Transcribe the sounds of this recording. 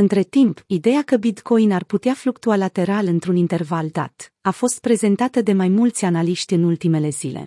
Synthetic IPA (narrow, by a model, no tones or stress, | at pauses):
ɨnt̪ɾe̞t̪impid̪e̞jakəbit̪kʰo̞jnarput̪eaflukt̪ualat̪e̞ɾalɨnt̪ɾunint̪e̞rvald̪a̰t̪afo̞st̪̚pɾe̞ze̞nt̪at̪əd̪e̞majmult̪sʲanaliʃt̪ʲɨnult̪ime̞le̞z̥ile̞̰